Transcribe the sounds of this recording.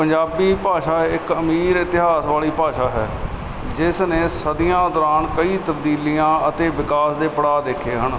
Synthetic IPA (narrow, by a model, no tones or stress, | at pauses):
pəɲd͡ʒaːbiːpaːʃaːɪkəmiːɾɪt̪ɪɦaːsʋaːliːpaːʃaːɦɛ̰ː | d͡ʒɪsnẽːsəd̪ijãːd̪ɔːɾaːnkəiːt̪əbd̪iːliːãːət̪eːʋɪkaːsd̪eːpəɽaːd̪eːkʰeːɦən